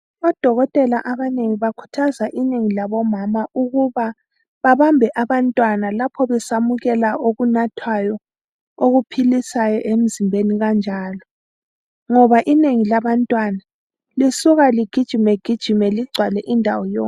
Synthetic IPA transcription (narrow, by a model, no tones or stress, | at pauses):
βɔd̥ʱɔɣɔtʼɛlaʔaβaneŋiβakʰu̥tʰazaʔineŋilaβɔmamaʔuɣuβa | βaβambʱɛʔaβantʼwanalapʰɔβɛsamuɣɛlaʔoɣunatʰwajɔ | oɣupʰilisajɔʔem̩zimbʱeniɣand͡ʒʱaːlɔ | ŋɔβaʔineŋilaβantʼwana | lisuɣaliɡ̥ʱid̥ʒ̥ʱimɛɡ̥ʱid̥ʒ̥ʱimɛliɡ͡ǀʱwalɛʔindʱawɔjɔːŋ